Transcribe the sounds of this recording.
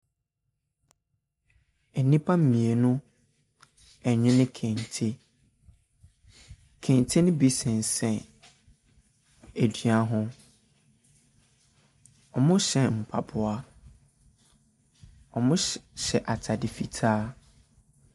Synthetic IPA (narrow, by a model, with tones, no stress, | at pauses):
ɛ˨nĩ˦pʰa˦m̩˦mĩ˨e˨nʊ̃˦ | ɛ˨ɲɪ̃˦nɪ̃˦kʰɛ̃˨ntʰe˦ | kʰɛ̃˨n˨tʰe˦nʊ̃˦bi˦sɛ̃˨n˨sɛ̃˨ | æ˨dɥa˦ɦʊ̃˦ | ɔ˨mʊ̃˦ɕɛ˨m̩˨pʰa̰˨pʰʊ˦˨a˦ | ɔ˨mʊ̃˦ɕɛ˨ʔa˨tʰa˨dɪ˨fi˨tʰaː˦